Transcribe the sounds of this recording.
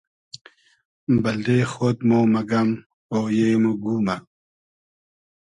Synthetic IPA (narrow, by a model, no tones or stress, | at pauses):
bɐld̪exoːt̪moːmɐɡɐm | oːjemuɡuːma